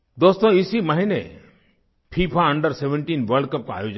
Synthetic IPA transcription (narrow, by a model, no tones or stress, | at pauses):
d̪ost̪ɔ̃isiməɦinḛ | pʰipʰaɐ̃ɳɖəɾseʋə̃ɳʈinʋəɾɖkəp̚kaa̰joːd͡ʒ